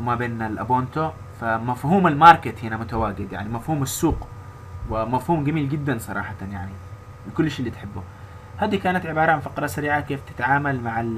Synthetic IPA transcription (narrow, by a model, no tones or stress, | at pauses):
mabeːnɪlʔaboːnt̪o | famafhuːmɪlmɑːɾˤkɪt̪hɪnamʊt̪awaːɡɪd̪ja̰ʕnimafhuːmasːuːq | wɪmafhuːmɡamiːlɡɪd̪ːansˤɑɾˤɑ̰ːħɑt̪njaʕni | lɪkʊlːʃiːlːit̪ħɪbːʊ | haːd̪ikaːnat̪ʕɪbɑːɾˤɑʕanfɑqɾˤɑsaɾiːʕakeːft̪ɪ̥t̪ʕaːmalmaʕal